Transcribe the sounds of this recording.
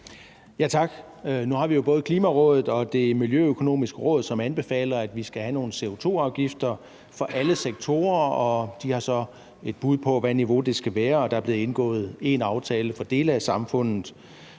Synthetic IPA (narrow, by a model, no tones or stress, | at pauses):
jæt͡sʰɑ̈ɡ̥ | nuhɑ̈ʋijo̝b̥ɔ̽ːð̞̩əkʰliːmæʁɔ̽ðˠð̩ˠɒ̽d̥e̝miljøøkʰo̝no̝̰ːmisɡ̥əʁɔ̽ːð̩ˠsɒ̽mænb̥e̝fɛ̰ːlɐæd̥ʋisɡ̥æɦæno̝ːn̩əse̝o̝t͡sʰo̝̰ːɑ̈ʊɡ̥ifd̥ɐ | fɒ̽ʔæləseɡ̥̚t͡sʰo̝̰ːɐɒ̽d̥ihɑ̈sɒ̽ | e̝d̥̚b̥uð̞̰ˠpʰɒ̽ʋæniʋo̝d̥e̝sɡ̥æʋæːɐɒ̽d̥ɑ̈æɐb̥le̝ð̩ˠe̝nɡ̥ɔ̰̽ːð̞̩ˠe̝nɑ̈ʊt͡sʰɛːləfɒ̽d̥e̝ːləæsɑ̈mfɔ̽n̰ð̩ˠ